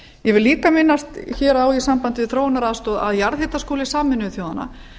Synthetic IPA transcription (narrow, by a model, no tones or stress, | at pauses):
jɛvɪliːkamɪnːast̪çɛːɾawisampant̪ɪvɪθɾoːwnaɾaðst̪ɔða̰ðjaɾðhet̪askoːlɪsaːmɪnʏθjoːwðana̰